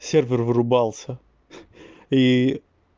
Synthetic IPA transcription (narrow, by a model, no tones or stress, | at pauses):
sʲeɾvʲeɾvɨɾubalˠsɐ | i